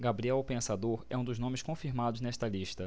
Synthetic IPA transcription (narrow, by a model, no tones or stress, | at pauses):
ɡabɾiɛwpẽsad̪oɾɛũd̪ʊznõmɪskõfiɾmad̪ʊznɛʃt̪ɐliʃt̪ɐ